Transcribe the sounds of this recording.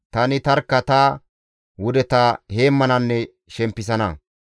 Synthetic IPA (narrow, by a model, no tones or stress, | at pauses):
t̪ɐnɪt̪ɐɾkːɐt̪a | wʊd̪ɛt̪ɐhe̞ːmːɐnɐnːɛ | ʃɛmpːɪs̬ɐnɐ̰